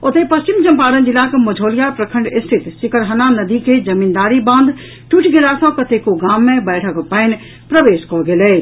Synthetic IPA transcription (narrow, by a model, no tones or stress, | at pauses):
ot̪epɐst͡ʃɪmd͡ʒɐ̃mpaːɾə̃nd͡ʒɪlakemʊd͡ʒʱoːljapɾəkʰə̃ɳɖɪst̪ʰɪt̪sɪkəɾɦɐnanɐd̪iked͡ʒɐmiːnd̪aːɾibãːnd̪ | ʈuʈʰɡelaːsə̃kɐt̪ekoɡaːmːẽbɛːʈʰəkpəɪn | pɾəʋeːskɔɡeleː